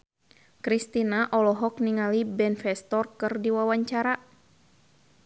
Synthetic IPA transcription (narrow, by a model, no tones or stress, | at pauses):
kɾist̪inaʔɔlɔɦɔk̚niŋalibɛnfɛst̪ɔrkɨrdiwawaɲt͡ʃaɾa